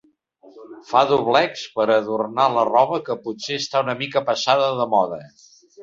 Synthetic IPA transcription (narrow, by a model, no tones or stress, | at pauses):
faðuβlɛkspəɾəðurnalərɔβəkəputseəst̪aunəmikəpəsaðəðəmɔðə